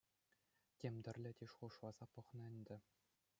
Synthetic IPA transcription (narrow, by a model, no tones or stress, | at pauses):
tʲemʲd̪ʲɘ̆rʲlʲɘ̆tʲeʂuʂʋɑz̥ɑpɤ̆χnɤ̆ɘ̆nʲd̪ʲɘ̆